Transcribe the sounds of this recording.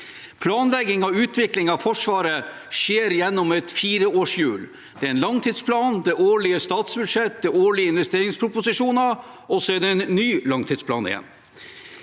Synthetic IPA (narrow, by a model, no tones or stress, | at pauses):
pʰlɑːnlɛɡɪŋɑʉːt̪ʰʋɪklɪŋɑʋfɔʂʋɑːɾə | ʂjeːɾjɛnːɔmɛt̪fiːɾəoːʂjʉ̰ːl | d̪̥ɛæɾɛnlɑŋt̪ʰiːd̪spʰlɑːnd̪ɛʔoːɭɪəst̪ɑːt̪sbʉd̪ʂɛt̪̚d̪ɛoːɭɪəɪnʋɛst̪eːɾɪŋspʰɾʊpʊsɪʂuːnɑ | ɔsɔɛɾd̪ɛɛnnːyːlɑŋt̪ʰɪːd̪spʰlɑ̰ːnɪ̰jɛ̰nː